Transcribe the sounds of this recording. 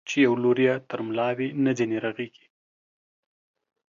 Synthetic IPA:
t͡ʃejawloɾjat̪əɾmlɑwenəd̪eneɾaɣeɡi̥

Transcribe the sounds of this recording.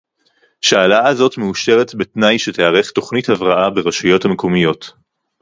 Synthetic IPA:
ʃaalaazo̞tmeuʃe̞ʁetbetnajʃeteaʁe̞χto̞χnithavʁaʔabe̞ʁaʃujo̞thameko̞mijo̞t

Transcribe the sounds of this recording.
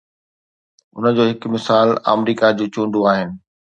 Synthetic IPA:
ʊ̰nə̆d͡ʑoːɦɪkmɪsaːla̰ːmɾiːkad͡ʑuːt͡ɕũːɳɖoaːɦɪnɪ̆

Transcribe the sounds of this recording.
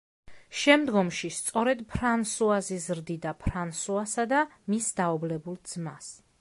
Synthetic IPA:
ʃɛmd̪ɡɔmʃist̪sʼɔɾɛd̪pʰɾansuazizɾd̪id̪apʰɾansuasad̪amisd̪aɔblɛbulˠd̪zmas

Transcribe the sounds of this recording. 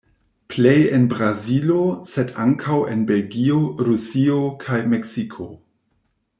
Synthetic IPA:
plejenbɾazilosedaŋkʰawḛnbe̞lɡioɾusiokʰajmeksikʰo̞

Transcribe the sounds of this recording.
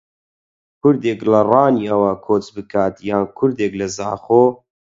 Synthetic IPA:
kʰʊɾd̪eːklɐrɑːniɐwɐkʰoːt͡sbɨkʰaːt̪jaːnkʰʊɾd̪eːklɐzaːχoː

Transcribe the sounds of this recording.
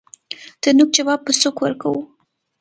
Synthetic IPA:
d̪̥ənuk̚d͡ʒawɑb̚pəsokwəɾkawu

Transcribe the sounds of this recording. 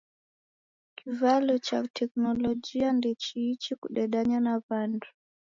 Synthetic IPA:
kivalɔt͡ʃatʰɛknɔlɔd͡ʒiandit͡ʃiːt͡ʃikuɗɛɗaɲanaβandu

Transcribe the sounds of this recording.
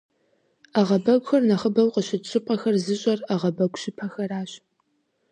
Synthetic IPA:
aʁɐbɐɡʷxɐrnɐχəbɐwqəɕɪtɕʰʼɪpʼɐxɐrzɨɕʼɐraʁɐbɐɡʷʼɕɪpʰɐxɐraːɕ

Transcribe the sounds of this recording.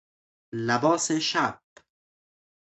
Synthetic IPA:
labɔːseʃab

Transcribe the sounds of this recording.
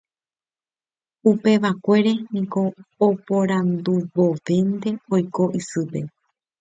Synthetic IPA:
upe̞ʋakʷe̞ɾe̞nĩkoːpoɾãnd̪uʋoʋe̞nd̪e̞ojko̞ʔisɨpe̞̰

